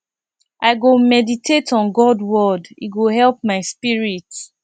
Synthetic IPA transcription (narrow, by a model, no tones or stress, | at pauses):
ʔaɪɡomɛditʰetʰɔ̃nɡɔdwɔdḭɡoɦɛlpmaɪspiɹit